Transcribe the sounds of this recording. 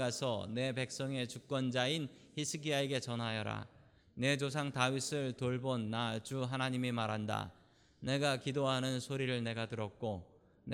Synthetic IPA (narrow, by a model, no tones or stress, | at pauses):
ɡasʰʌ̰ne̞pe̞k̚s͈ʌŋe̞t͡ɕuk̚k͈wʌnd͡ʑain | çisʰɯɡiaeɡe̞t͡ɕʌnɦajʌɾa̰ | ne̞t͡ɕos̬ʰaŋtaɥisʰɯɭtoɭbonːad͡ʑuɦanaɲimimaɾɦanda̰ | ne̞ɡakidoɦanɯnsʰoɾiɾɯɭne̞ɡatɯɾʌk̚k͈o | n